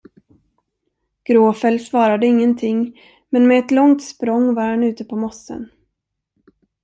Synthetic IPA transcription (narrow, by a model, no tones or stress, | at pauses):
ɡ̥ɾoːfɛlsvɑːɾad̪əɪŋːənt̪ʰɪŋː | mɛnmɛːt̪lɔŋt̪spɾɔŋːvaɾhanʉ̟ːt̪əpʰɔmɔsːə̰n